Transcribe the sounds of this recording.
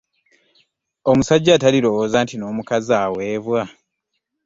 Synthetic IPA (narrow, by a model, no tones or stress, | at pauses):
omusaɟːaːtaliɾo̞woːzaːntino̞ːmukazaːweːβwa